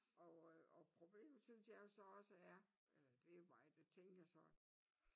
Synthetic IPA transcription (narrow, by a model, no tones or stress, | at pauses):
ʔɒɒpʰʁo̝b̥le̝̰ːmð̩synsjɑ̈ɪjo̝sɒ̽ɒ̽səæɐelɐd̥e̝ʋɑ̈ɪ̰d̥et͡sʰeŋ̰ɡ̥jasɒ̽